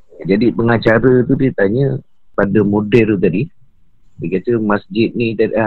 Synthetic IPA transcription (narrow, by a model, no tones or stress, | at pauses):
d͡ʒadipəŋãt͡ʃaɾət̪udət̪aɲə | padamodɛlt̪̬adi | dikat̪əmasd͡ʒɪt̪̚nĩt̪aa